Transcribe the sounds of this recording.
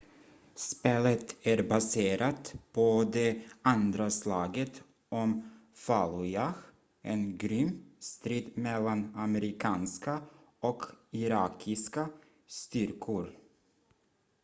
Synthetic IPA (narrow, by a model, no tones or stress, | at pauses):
speːlət̪æɾbaseːɾat̪pʰod̪ɛand̪ɾaslɑːɡət̪ | ɔmfalʊjax | ʔenɡɾʏmːst̪ɾiːd̪mɛlːanamɛɾɪkʰɑːnska | ɔkɪɾɑːkʰɪska | st̪ʏɾkʰʊɾ